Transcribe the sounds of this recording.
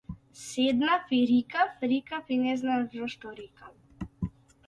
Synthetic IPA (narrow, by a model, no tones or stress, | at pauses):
sɛd̪nafiɾikafɾikafinɛznaɾɔʃt̪ɔɾikam